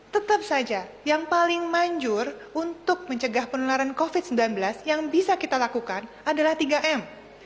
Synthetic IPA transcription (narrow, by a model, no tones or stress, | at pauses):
t̪ət̪ap̚sad͡ʒa | jaŋpalɪŋmaɲd͡ʒʊrunt̪ʊk̚məɲt͡ʃəɡahpənulaɾankofɪt̪̚səmbilanbəlasjaŋbisakit̪alakukan | adalaht̪iɡaʔɛm